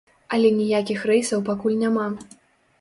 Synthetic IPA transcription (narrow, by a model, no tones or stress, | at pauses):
ɐlʲɛnʲijakʲixrɛjsɐwpakulʲnʲama